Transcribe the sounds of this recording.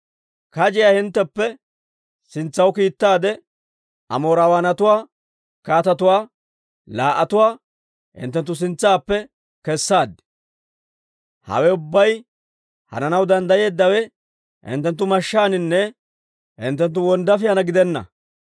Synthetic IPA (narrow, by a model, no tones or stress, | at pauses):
kɐd͡ʒɪjaːhɪnt̪ːɛpːɛ | sɪnt͡sːɐwkiːt̪ːaːd̪ɛ | ɐ̰mo̞ːɾawaːnɐt̪ʊwaː | kaːt̪ɐt̪ʊwaː | laːʔːɐt̪ʊwaː | hɪ̰nt̪ːɛnt̪̬ːʊs̬ɪnt͡sːaːpːɛ | kɛsːaːd̪ɛ̥ | hɐ̰wɛʊbːɐj | hɐ̰nɐnɐwd̪ɐnd̪ɐje̞ːd̪ːɐwɛ | hɪ̰nt̪ːɛnt̪ːʊmɐʃːaːnɪnːɛ | hɪ̰nt̪ːɛnt̪̬ːʊwɔnd̪ɐfɪjɐnɐɡɪd̪ɛnːɐ̰